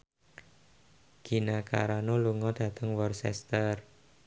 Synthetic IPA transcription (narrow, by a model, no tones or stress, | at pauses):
ɡ̥i̤naka̰ɾanoluŋɔd̪̥ä̤t̪əŋwɔrsɛ̰st̪ər